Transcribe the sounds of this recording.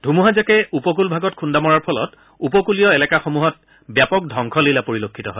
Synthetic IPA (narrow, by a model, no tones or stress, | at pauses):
dʱumuɦazakɛupɔk̬ulbʱaɡɔtkʰundamɔɹaɹpʰɔlɔ̰t | upɔkulijɔɛlɛkaxomuɦɔt | bjapɔk̚dʱɔŋkʰɔleilapoɹilokʰːitɔɦɔ̰j